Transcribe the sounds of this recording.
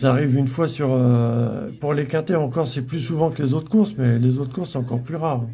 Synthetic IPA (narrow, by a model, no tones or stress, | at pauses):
saaːʁivynfwasyʁø | puʁlekãt̪eɑ̃kɔʁsɛplysuvɑ̃kəlezot̪χkuʁsmɛlezot̪χkuʁsɔ̃ɑ̃kɔʁplyʁaːʁ̃